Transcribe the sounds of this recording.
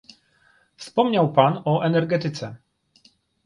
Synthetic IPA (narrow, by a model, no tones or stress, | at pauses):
fspɔmɲawpanɔʔɛnɛɾɡɛt̪ɘt̪sɛ